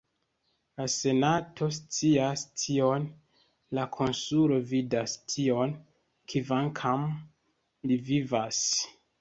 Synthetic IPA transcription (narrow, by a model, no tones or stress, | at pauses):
lase̞natʰos̬t͡siastʰio̞n | lakʰo̞nsulo̞vidastʰio̞n | kʰivaŋkʰam | livivas